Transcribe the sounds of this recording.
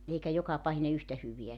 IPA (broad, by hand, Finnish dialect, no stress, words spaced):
eikæ jokɑpɑhine yhtæ hyʋiæ